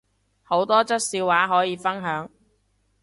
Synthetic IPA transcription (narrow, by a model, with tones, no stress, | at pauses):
ho˨˥wt̪ɔː˥t͡sɐ˥t̚siː˧wwaː˨˥ɦɔː˨˥jiː˨˧fɐ˥nɦœː˨˥ŋ